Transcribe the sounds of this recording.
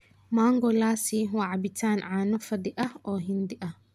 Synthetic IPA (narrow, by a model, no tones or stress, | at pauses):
maːŋɡɔlaːsiwaʕɑbɪt̪ʰaːnʕaːnɔfɐd̪ɪʔɐhɔːɦɪnd̪ɪʔɐh